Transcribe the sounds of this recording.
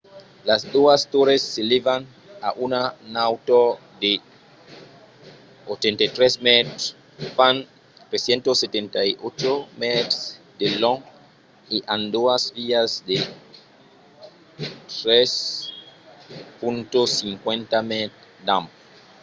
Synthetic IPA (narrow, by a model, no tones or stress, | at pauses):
lasd̪oast̪oɾesːelevan | a̰ʔunanawt̪o | d̪e | ot͡ʃẽnt̪at̪ɾesmɛt̪ɾs | fan | t̪ɾesjẽnt̪oset̪ẽnt̪ajot͡ʃomɛt̪ | d̪elɔ̃ŋ | eʔãnd̪oasviazd̪e | t̪ɾes | pũnt̪osiŋkwẽnt̪amet̪ | d̪ãm